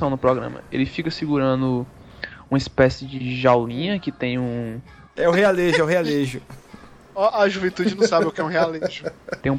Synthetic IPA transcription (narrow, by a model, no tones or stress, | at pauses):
ɐ̃w̃nʊpɾɔɡɾɐ̰̃mɐ̰ḛlɪfikɐsiɡuɾɐ̃nd̪ʊ | ũmɐispɛsɪd͡ʒɪʒawlĩɲɐkɪt̪ẽj̃ũ | ɛʊhealeʒʊɛwɦealeʒʊ | aʔɐʒuvẽnt̪ud͡ʒɪnɐ̃w̃sabɪʊkɪɛũɦealeʒʊt̪ẽj̃ũ